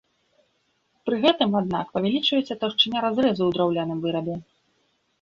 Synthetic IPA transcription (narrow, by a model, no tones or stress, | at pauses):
pɾɨɣɛt̪ɨmad̪̚na̰kpɐvʲɛlʲit͡ʂvɐjɛt͡sʲːɐt̪awʂt͡ʂɨnʲaɾazɾɛzuwd̪ɾawlʲanɨmvɨɾɐb̪ʲjɛ